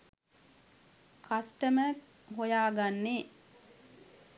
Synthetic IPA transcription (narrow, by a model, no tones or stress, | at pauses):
kʰasʈəmə | ɦojaːɡanːe